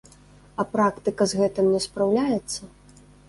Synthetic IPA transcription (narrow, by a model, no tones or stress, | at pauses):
ɐpɾakt̪ɨkɐzɣɛt̪ɨmnʲɛspɾawlʲajɛt̪sːɐ